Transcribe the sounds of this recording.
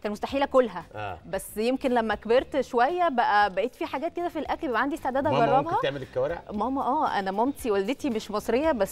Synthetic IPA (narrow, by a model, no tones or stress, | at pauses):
kæːnmost̪aħiːlækolːɦæʔbæsːjemkenlæmːækbeɾt̪ʃowæjːæbæʔæbæʔeːt̪fiːħaɡæːt̪ked̪æfilʔæklbebʕand̪iest̪eʕd̪æːd̪æɡɑrˤːɑbhɑt̪eʕmelekːæwæːɾeʕmɑmɑʔæːʔæ̰næmomt̪iwæld̪et̪imeʃmɑsˤɾejːɑbæsː